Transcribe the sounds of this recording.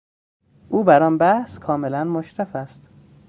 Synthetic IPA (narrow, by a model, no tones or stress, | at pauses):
ʔuːbæɾɒːnbæhskʰɒːmelænmoʃɾæfæst̪